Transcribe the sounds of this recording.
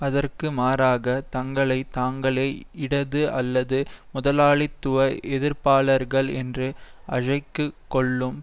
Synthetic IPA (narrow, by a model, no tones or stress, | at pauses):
ɐðɐrkɯmaːɾaːɣɐt̪ɐŋɡɐɭɐɪt̪aːŋɡɐɭeːɪɽɐðɯʔɐlːɐðɯmʊðɐlaːɭɪt̪ːɯʋɐʔɛðɪɾpaːlɐɾɣɐɭɛndrɯʔɐɻɐɪkːɯkːɔɭːɯm